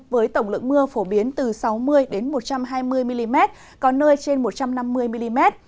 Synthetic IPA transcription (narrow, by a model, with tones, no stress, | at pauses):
vəː˨˦jt̪ə˧˩wŋ͡mlɨ̰˧˨k̚mɨ˧əfo˧˩ɓi˨˦ənt̪ɨ˨˩sa˨˦wmɨ˧əjɗe˨˦nmo˨˩t̚t͡ɕa˧mɦaː˧jmɨ˧əjmi˧li˧mɛ˦˥t̚ | kɔ˨˦nəː˧jt͡ɕe˧nmo˨˩t̚t͡ɕa˧mna˧mːɨ˧əjmi˧li˧mɛ˦˥t̚